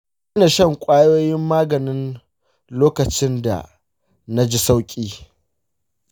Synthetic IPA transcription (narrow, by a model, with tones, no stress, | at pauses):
ɐ˦na˨ʃɐ˦˨ŋkʷʼaː˦joː˦jɪ˦mːaː˦ɡɐ˨nɪ˦n | loː˦kɐ˨t͡ʃɪ˦nda̰˨ | na˦d͡ʒi˦sa˦wkʲʼiː˦